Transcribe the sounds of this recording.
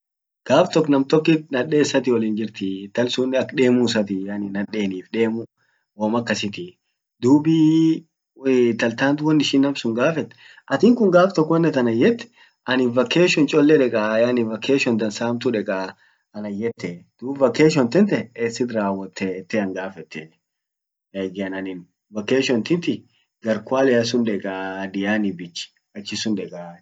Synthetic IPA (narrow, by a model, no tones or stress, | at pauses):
ɡ̥aːft̪ɔkːnɐmt̪ɔkːɪnɐᶑeːsːɐt̪ɪwɔlɪnd͡ʒɪɾt̪ɪt̪ɐlsʊnːɪɐkᶑe̞ːmuːs̬ɐt̪ɪjɐnɪnɐᶑe̞ːniːfᶑe̞ːmʊ | wɔmɐkːɐsɪt̪ɪ | d̪uːbi | t̪ɐlt̪aːnt̪ʊwɔnːɪʃiːnːɐmsʊŋɡaːfɛt̪ː | ʔɐt̪ɪŋkʊŋɡaːft̪ɔkːɔɛnːɛt̪ɐnɐjːɛt̪ːɛ̥ | ʔɐnɪnvɐkːeːʃɔnt͡ʃʼɔlːɛᶑɛkʼajanɪvɐkeːʃɔnd̪ɐnsaːmt̪ʊᶑɛkʼa | ɐnɐjːɛt̪ːɛd̪̥uːbvɐkeːʃ̬ɔnt̪ɛnt̪ɛɛsɪd̪ɾaːwɐt̪ʰːɛt̪ːɛɐŋɡaːfɛt̪ːɛ | eɡɐnɐnɪn | vɐkeːʃɔnt̪ɪnt̪ɪ | ɡɐɾkʊaːlɛɐs̬ʊnᶑɛkʼad̪ɪjaːnɪbɪt͡ʃːɪ̥ | ɐt͡ʃːɪsʊnᶑɛkʼa